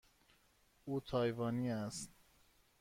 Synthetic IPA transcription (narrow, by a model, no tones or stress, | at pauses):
uːt̪ʰɒːjvɒːniːæst̪̚